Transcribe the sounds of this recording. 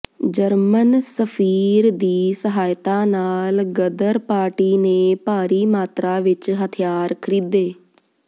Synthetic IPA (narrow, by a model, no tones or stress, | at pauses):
d͡ʒəɾmənsəpʰiːɾd̪iːsəɦaːjt̪aːnaːlɡəd̪əɾpaːɾʈiːneːpaːɾiːmaːt̪ɾaːʋɪt͡ʃɦət̪ʰɪjaːɾkʰəɾiːd̪eː